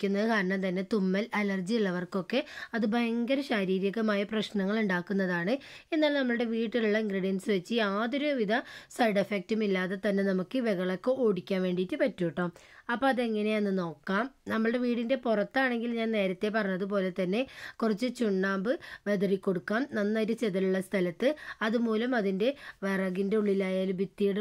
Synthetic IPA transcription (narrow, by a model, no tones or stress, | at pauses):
kʲːunːɐðɨkaːɾɐɳɐmt̪ɐnːe̞t̪umːɐlɐlɐrd͡ʑijuɭːɐʋɐrko̞kːe̞ɐðɨbʱɐjɐŋɡɐɾɐɕaɾiːɾjɐkːɨmaːjɐprɐɕnɐŋːɐɭuɳɖaːkːunːɐðaːɳɨe̞nːaːlnɐmːɐɭɨɽe̞ʋiːʈːiluɭːɐiŋɡɾiɽijɐnsɨʋet͡ɕːɨaːðoɾuʋiðɐsɐjɖefek̚tumilːaːðet̪ɐnːe̞nɐmukːɨʋɐɣɐɭɐkːɨoːɽikʲːaːnʋe̞ːɳɖitːɨpɐtːujiʈːɐːm | ɐpːoɐðeŋːɐne̞ɐnːɨno̞ːkːaːmnɐmːɐɭɨɽe̞ʋiːɽinde̞purɐt̪ːaːɳe̞ŋɡilɲaːnne̞ːɾɐt̪ːe̞p̬ɐrɐɲːɐðɨp̬o̞ːle̞t̪ɐnːe̞kurɐt͡ɕːɨt͡ɕuɳːaːmbɨʋed̪ɐrikʲːo̞ɽukːaːmnɐnːɐɾut͡ɕeðɐluɭːɐst̪ʰɐlɐt̪ːɨɐðumuːlɐmɐðinde̞ʋɐrɐɡinde̞uɭːilaːjaːlubit̪ːijiɽ